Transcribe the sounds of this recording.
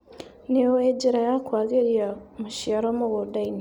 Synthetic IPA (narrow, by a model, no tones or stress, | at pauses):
neoweɟeɾajakwaɡeɾiamuʃjaɾomoɡodaini